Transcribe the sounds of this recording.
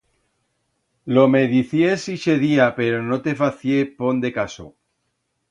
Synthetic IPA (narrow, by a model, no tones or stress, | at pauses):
lomeðiθjesiʃeðiapeɾonot̪efaθjepond̪e̞kaso̰